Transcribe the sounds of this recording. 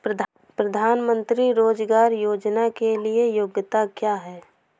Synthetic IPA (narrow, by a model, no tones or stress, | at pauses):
pɾəd̪ʱaːnmə̃nt̪ɾiɾoːd͡ʒɡaːɾjoːd͡ʒnakeliejoɡət̪akjaːɦɛː